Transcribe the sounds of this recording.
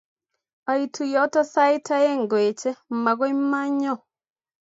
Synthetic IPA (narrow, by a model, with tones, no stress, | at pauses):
a˨i˨tʰu˨jɔ˨˦tɔ˦sa˦ɪ˦tʰa˦e˦ŋɡwe˨t͡ʃɛ˦ma˨ɣɔ˦i˦ma˦ɲɔ˦˨